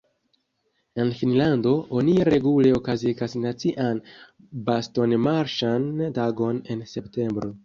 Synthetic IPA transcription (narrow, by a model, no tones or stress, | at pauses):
e̞nfinlando̞o̞niɾe̞ɡule̞o̞kaziɡasnat͡siʔan | basto̞nmaɾʃantaɡo̞ne̞nse̞pte̞mbɾo̞